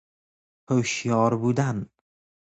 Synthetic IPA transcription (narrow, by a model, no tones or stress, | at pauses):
hoʃjɒɾbud̪an